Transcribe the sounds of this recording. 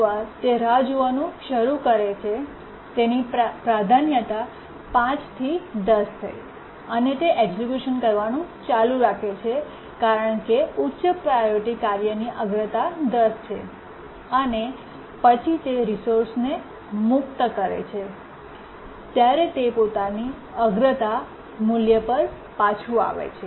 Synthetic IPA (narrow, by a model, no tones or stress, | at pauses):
aɾt̪eɾad͡ʒuʋanũʃəɾukəɾet͡ʃʰe | t̪enipɾad̪ʱanjət̪a | pãt͡ʃt̪ʰid̪əst̪ʰə̰j | ənet̪eʔeɡzikjuʃənkəɾʋanũt͡ʃalũɾakʰet͡ʃʰe | kaɾəɳkeutːʃəpɾajoɾiʈikaɾjəniʔəɡɾət̪ad̪əst͡ʃʰe | əne | pət͡ʃʰit̪eɾisoɾsne | mʊkt̪əkəɾḛt͡ʃʰe | t̪jaɾet̪epot̪ani | əɡɾət̪a | muljəpəɾ | pat͡ʃʰua̰ʋḛt͡ʃʰe